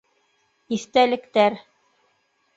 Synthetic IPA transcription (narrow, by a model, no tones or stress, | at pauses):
iθt̪ælɘ̆kt̪æɾ